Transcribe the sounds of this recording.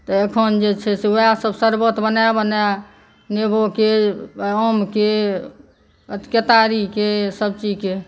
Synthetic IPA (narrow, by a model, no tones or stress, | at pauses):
t̪əekʰənd͡ʒet͡ʃʰɛseoasəbsəɾbot̪bənajabəna | neboke | əmke | ət̪kət̪aɾikesəbt͡ʃid͡ʒke